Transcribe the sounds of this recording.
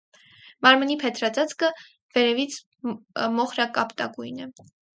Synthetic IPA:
mɑɾmənipʰɛt̪ʰɾɑt͡sɑt͡skə | v̥ɛɾɛvit͡sʰ | mɔχɾɑkɑpt̪ɑ̰ɡujnɛ

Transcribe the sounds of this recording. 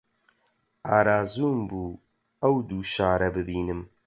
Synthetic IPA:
aːɾaːzuːmbuː | ɐwd̪uːʃaːɾɐbɨbiːnɨm

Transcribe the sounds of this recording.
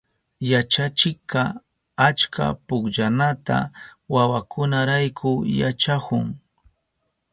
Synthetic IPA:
jat͡ʃat͡ʃɪkːɑ | at͡ʃka̰pʊkʎanat̪a̰wawakʰʊnaɾajkʰʊjat͡ʃakʊŋ

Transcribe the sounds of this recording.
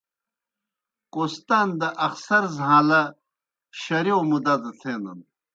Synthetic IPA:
qost̪aːnd̪ɐʔɐxsɐɾzɦãːlɐ | ɕɐɾiomud̪ad̪ɐt̪ʰeːnɐ̰n

